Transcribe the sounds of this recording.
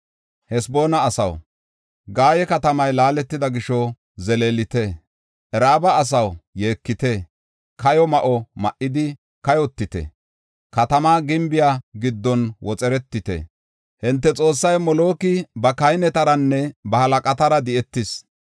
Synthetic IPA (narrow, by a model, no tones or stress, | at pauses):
hɛsbo̞ːnɐːsɐ̰w | ɡaːjɛkɐt̪ɐmɐjlaːlɛt̪ːɪd̪ɐɡɪʃɔ | zɛleːlɪt̪ɛ | ʔɛɾaːbɐːs̬ɐwje̞ːkːɪt̪e | kɐjɔmɐʔɔmɐʔːɪd̪ɪ | kɐjɔt̪ːɪt̪ɛ̰ | kɐt̪ɐmaːɡɪmbɪjaːɡɪd̪ːɔnwɔt͡sʼɛɾɛt̪ːɪt̪ɛ̰ | hɪnt̪ːɛt͡sʼo̞ːsːɐjmɔlo̞ːkɪbɐkɐjnɛt̪ɐɾɐnːɛbɐhɐlɐkʼɐt̪ɐɾɐd̪ɪɛt̪ːɪs